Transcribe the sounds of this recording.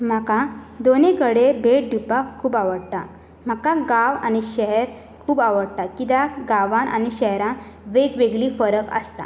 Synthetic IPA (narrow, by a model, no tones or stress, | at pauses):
m̤akãd̪oneɡəɽebʱeʈ̚ɖ̪ʱupakʰːuːbaʋəɽt̪a̰ | m̤akaɡaʋañiɕɛɦɛɾ | kʰuːbaʋəɽt̪akit̪aɡaʋanʔa̰ñiɕɛɦɾãnʋeɡʋeɡɭifəɾəkə̰st̪a̰